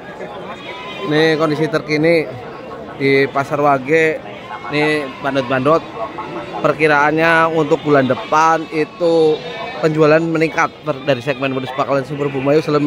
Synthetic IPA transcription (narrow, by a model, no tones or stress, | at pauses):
nɪkɔndisit̪ərkini | dipasarwaɡe | nɪbandɔt̪̚bandɔt̪̚pərkiɾaːnɲaunt̪ʊk̚bulandəpanit̪upəɲd͡ʒualanməniŋkat̪̚ːədaɾisɛɡ̚mɛnwaduspakalansəbərbumajusələm